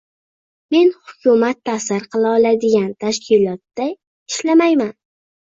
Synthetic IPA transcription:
me̞nhʊkʲʰʊmat̪ʰːasɪɾqʰɨlˠaɒlad̪ɪɡʲant̪ʰaʃkʲʰɪlˠɒt̪ːa | ɪʃlamajman

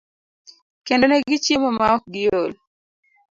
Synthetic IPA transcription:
kendonɛɡɪt͡ʃjemomaɔɡɪjol

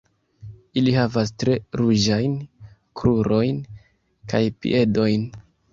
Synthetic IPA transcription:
ilihavas̬tɾe̞ɾuʒajnkɾuɾo̞jn | kajpḭʔe̞do̞jn

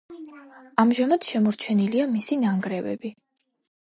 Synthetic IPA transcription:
amʒamad̪̥ʃɛmɔɾt͡ʃʰɛniliamisinaŋɡɾɛvɛ̰bi

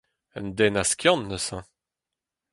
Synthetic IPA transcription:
ə̰nd̪ɛnaskʲjɑ̃nːəsɛ̃

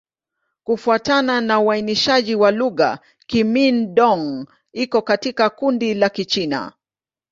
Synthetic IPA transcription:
kufuatananauainiʃaʄiwaluɣa̰ | kiminɗɔŋ | ikɔkatikakundilakit͡ʃina̰

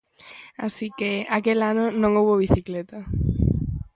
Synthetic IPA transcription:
a̰sikeakelanʊnõŋowβoβiθiklet̪ɐ

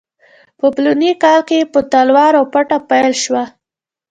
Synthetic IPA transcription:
pəplunikɑlkepət̪alwɑɾapaʈapajlʃwa

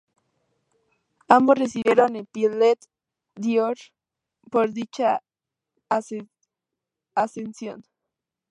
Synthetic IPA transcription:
ambosresiβjeɾonepjelet̪ | d̪joɾ | poɾðit͡ʃa | s | asensjo̰n

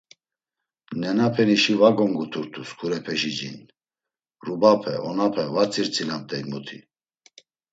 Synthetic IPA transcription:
nɛnapʰɛniʃivaɡɔŋɡut̪ʰuɾt̪ʰuskʰuɾɛpʰɛʒid͡ʒḭn | rubapʰɛʔɔnapʰɛvaɾt͡sʰʼiɾt͡sʰʼilam̚t̪ʼɛinmut̪ʰḭ

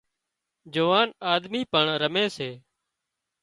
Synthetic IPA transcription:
d͡ʒoʋaːnaːd̪miːpəɳɾəmẽːseː

